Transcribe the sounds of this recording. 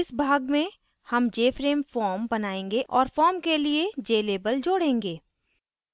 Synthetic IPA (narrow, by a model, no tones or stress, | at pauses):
ɪsbʱaːɡmẽ | hɐmd͡ʒeːfɾeːmfɔːɾmbɐnaːẽːŋɡeʔɔːɾfɔːɾmkelied͡ʒeːleːbəld͡ʒoːɽẽːŋɡeː